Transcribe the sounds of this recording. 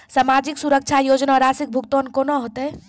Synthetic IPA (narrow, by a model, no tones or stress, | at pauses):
samad͡ʒiksuɾək̚t͡ʃʰajod͡ʒnaɔɾasik̚bʱukt̪onkonoɦot̪ɛ